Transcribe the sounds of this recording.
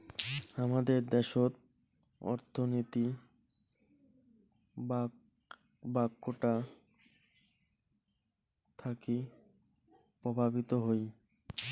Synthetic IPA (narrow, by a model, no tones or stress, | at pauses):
amad̪eɾd̪ɛʃoɾ̚ | ɔ̰ɾt̪ʰonit̪i | ba | bakːoʈa | t̪ʰaki | pɾobʱabit̪oɦoj